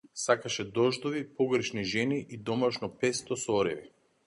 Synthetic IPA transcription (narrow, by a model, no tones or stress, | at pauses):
sakaʃɛd̪ɔʒd̪ɔvipɔɡr̩ʃniʒɛniʔid̪ɔmaʃnɔpɛst̪ɔsɔɔɾɛ̰vi